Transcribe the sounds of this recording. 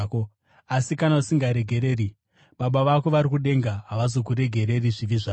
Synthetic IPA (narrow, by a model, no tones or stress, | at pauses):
ko | asikanausiŋɡaɾe̞ɡʱe̞ɾe̞ːri | ɓaɓaʋako̞ʋaɾikuɗe̞ŋɡaɦaʋazo̞k̬uɾe̞ɡʱe̞ɾe̞riʐiʋiʐaː